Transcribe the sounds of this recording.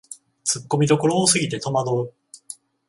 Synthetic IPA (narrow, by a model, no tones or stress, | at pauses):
t͡sɨkːo̞mʲid̪o̞ko̞ɾoːsɨɡʲit̪e̞t̪o̞mad̪o̞ɯ